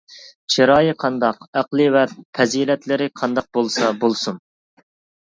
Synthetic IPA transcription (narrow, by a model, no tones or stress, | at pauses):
t͡ʃʰiɾɑːjɨqʰɑnd̪ɑqæqlˠɨvɛpʰɛzilɛt̪lɪɾɪqʰɑnd̪ɑq̚bolˠsɑbolˠsun